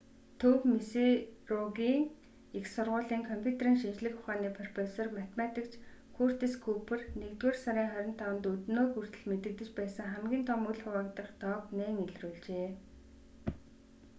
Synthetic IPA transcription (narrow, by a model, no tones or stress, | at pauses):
t̪ʰɵpmiserɔɣiːŋ | ixsʊrʁʊːɮiːŋkʰɔmpʲʰut̪ʰeriːŋʃint͡ɕɮɘ̆xʊχaːniːpʰrɔrpesɔrmat̪ʰemat̪ikt͡ɕʰkʰur̥t̪iskʰupʰɘ̆rnekt̪weːrsaɾiːŋχœɾʲɪ̆n̥t̪ʰːawənt̪ut̪noːkur̥t̪ɘ̆ɮmet̪ɘ̆k̚t̪ɘ̆t͡ɕpæːsə̆ŋχæmɡʲiːnt̪ʰɔmuɮχʊwaːkt̪ə̆χt̪ɔːkneːŋiɮruːɮt͡ɕeː